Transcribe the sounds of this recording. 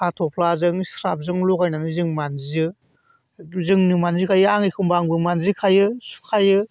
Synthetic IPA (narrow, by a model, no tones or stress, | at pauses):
atʰɔpʰlazɯŋsɾap̚zɯŋlɔkajnanɯzɯŋmanziɯ | zɯŋnɯmanzikʰajɯaŋikʰɯmbaŋbɯmanzikʰajɯsu̥kʰajɯ